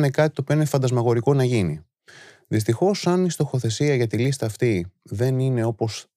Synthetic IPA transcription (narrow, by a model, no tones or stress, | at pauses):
ne̞kɐt̪it̪opio̞inefɐnd̪ɐzmɐɣo̞ɾiko̞nɐʝini | ðist̪ixo̞sɐnist̪o̞xo̞θe̞siɐʝɐt̪ilist̪ɐːft̪iðe̞nine̞o̞po̞s